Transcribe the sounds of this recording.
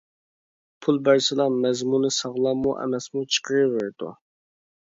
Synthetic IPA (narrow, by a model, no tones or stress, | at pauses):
pʰulˠbæɾsɪlˠɑmɛzmunɨsɑʁlˠɑmːuʔɛ̰mɛsmut͡ʃʰə̥qʰəɾɨvɪɾd̪ṵ